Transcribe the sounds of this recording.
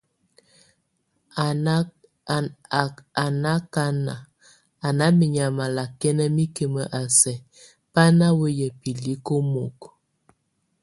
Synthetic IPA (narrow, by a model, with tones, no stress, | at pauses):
a˨na˦ka˦na̰˨ | a˨na˦mi˨ɲa˨ma˨la˨kɛ˦nə˦mi˦ke˨mə˨ʔa˨sɛ˨ | pa˦na˦wə˦jɛ˨pi˨li˦ko˦mo˨k